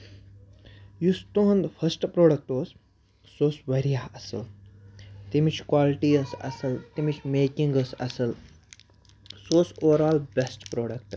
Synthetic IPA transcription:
just̪oɦɐnd̪pʰɐsʈpɾoːɽɐk̚ʈoːs | soːsʋɐɾijaːɐsɐ̰l | t̪imit͡ʃʰkwaːliʈiːəsɐ̰sɐlt̪imit͡ʃʰmeːkĩŋɡəsɐ̰sɐl | soːsoːʋɐɾaːlbʲesʈpɾoːɽɐk̚ʈ

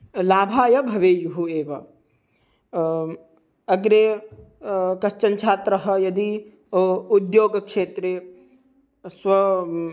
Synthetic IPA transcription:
laːbʱaːjɐbʱɐʋeːjuɦueːʋɐ | ɐɡɾeː | kɐʃt͡ʃɐnt͡ʃʰaːt̪ɾɐɦɐjɐd̪i | ud̪joːɡɐkʂeːt̪ɾeː | sʋɐ

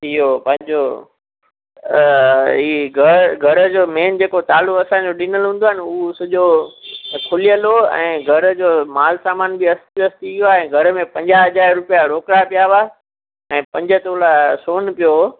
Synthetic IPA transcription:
ijopɐ̃ɦɪ̃ɲd͡ʑo | ɦiːɡʱəɾɡʱɐɾd͡ʑoːmeːnd͡ʑeːkot̪aːlʊkɐsãd͡ʑoɗinəlɦũːn̆d̪oaɦɪnɪʊsɐʄo | kʰʊlijəloɛ̰̃ːɡʱɐɾd͡ʑoːmaːlsaːmaːnbiɐst̪iɐst̪iɪɦjoaːɛ̃ːɡʱɐɾəmẽpɐ̃ɲd͡ʑaɦɐd͡ʑaːɾɾʊpijaɾoːkɽapijaʋa | ɛ̃ːpɐ̃ɲd͡ʑət̪oːlasoːnpijo

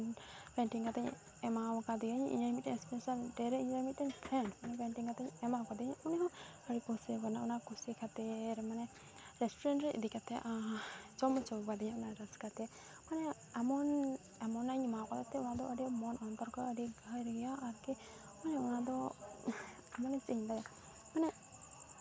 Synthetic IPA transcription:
npɛɳʈiŋkat̪aɲ | ɛmawkad̪iɔɲʔḭɲaɾmit̚ːɛɲspɛsalɖɛɾɛiɲamit̪̚ɛɲpʰɾɛɳmanɛpɛɳʈiŋkat̪aɲɛmawkad̪iɲuniɦɔ̃əɖikusikɔnaunakusikʰat̪ɛɾmanɛ | ɾɛsʈuɾɛɳʈɾɛʔḭd̪ikat̪ʰɛʔt͡ʃɔmɔt͡ʃʰɔbad̪iɲapɔnaɾaskat̪ɛ | manɛ | amɔn | amɔnaɲmakɔt̪at̪ɛunad̪ɔʔəɖimɔnɔnt̪ɔɾkɔəɖiɡʱajɾɡɛjaʔaɾki | manɛunad̪ɔ | amɔnɛsiɲd̪aja | manɛ

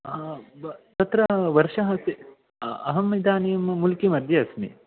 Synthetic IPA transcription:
t̪ɐt̪ɾɐʋɐɾʂɐɦɐs | ɐ̰ɦɐmːid̪aːnijɐmmulkimɐd̪ʱjɐɐsmḭ

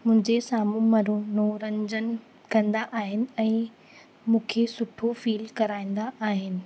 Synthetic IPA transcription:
mʊ̃ɦɪ̃ɲd͡ʑesaːmũmɐɾunoːɾɐ̃ɲd͡ʑən | kɐ̃nd̪aʔaːɦɪnɪ̆ɛ̃ː | mũːkʰesʊʈʰofiːlkɐɾaːĩːn̆d̪aʔaːɦɪnɪ̆

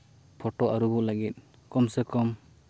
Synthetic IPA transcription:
pʰɔʈoʔaɾubuʔlaɡit̪̚ | kɔmsekɔm

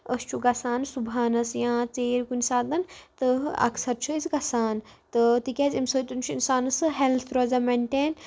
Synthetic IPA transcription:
əst͡ʃʰuɡɐsaːnsubʱaːnɐsjãːt͡seːɾkunʲsaːd̪ɐnt̪ɨɐ̰ksɐɾt͡ʃʰuizɡɐsaːn | t̪ɨt̪ikʲezʲimsoːt̪unt͡ʃʰuinsaːnɐsɨɦelt̪ʰɾoːzameɳʈeːn

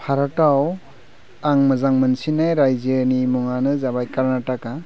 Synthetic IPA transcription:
pʰaɾataw | aŋmɯzaŋmɯnsinajɾajzənimɔŋanɯzabajkaɾnataka

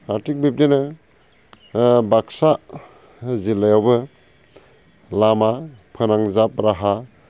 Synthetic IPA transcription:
atʰik̚bip̚dena | baksa | zilajawbɯ | lamapʰɯnaŋzap̚ɾaɦa

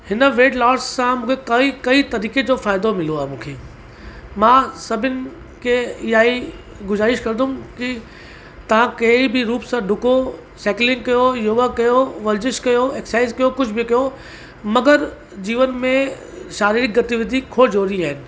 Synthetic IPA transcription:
hɪnə̆ʋeːɖlɔːɾsːãmũːkʰekɐikɐit̪ɐɾiːked͡ʑoːfaːɪd̪omɪloaːɦemũːkʰeː | mãːsɐbʱɪnɪ̆ | kʰeɪjaːi | ɡʊzaːɾɪʃkɐɾd̪ʱʊ̃mki | t̪ɐʋ̤ãkɐibɪɾuːpsãɖʱʊko | sɛːklɪ̃ŋɡ̚kɐjojoʋakɐjoʋɐɾd͡ʑɪʃkɐjoeːksaːɪzkɐjokʊd͡ʑʱbʱɪkɐjo | mɐɡəɾ | d͡ʑiːʋənmẽ | ʃaːɾiːɾɪk̚ɡɐt̪iʋɪd̪ʱikʰoːd͡ʑoːɾiaːɦɪnɪ̆

